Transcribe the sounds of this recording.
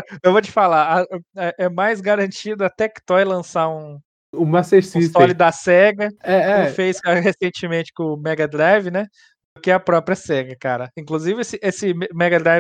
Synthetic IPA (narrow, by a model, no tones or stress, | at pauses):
ewvot͡ʃɪ̥falaɐɛʔɛmajzɡaɾɐ̃nt͡ʃid̪ʊɐt̪ɛkt̪ɔjlɐ̃saũ | ũmaseɾsist̪ɔlɪd̪ɐsɛɡɐɛɛfejsaɦesẽnt͡ʃɪmẽnt͡ʃɪ̥kõmɛɡɐd̪ɾajvɪnɛ | d̪ʊkɪɐpɾɔpɾiɐsɛɡɐkaɾɐĩŋkluzivɪesɪʔesɪmmɛɡɐd̪ɾajv